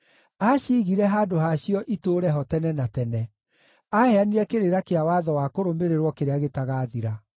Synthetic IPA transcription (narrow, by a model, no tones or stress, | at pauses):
aɕiːɣiɾɛɦaːdoɦaɕiɔʔitoːɾɛɦɔtɛnɛnatɛnɛ | ahɛaniɾɛkeɾeɾakeawaðɔwakoɾombeɾeɾwɔkeɾeaɣetaɣaːðiɾa